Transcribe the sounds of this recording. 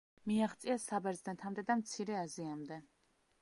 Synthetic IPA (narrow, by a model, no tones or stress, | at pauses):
miaχt̪sʼiasabɛɾznɛt̪ʰamd̪ɛd̪amt̪sʰiɾɛaziamd̪ɛ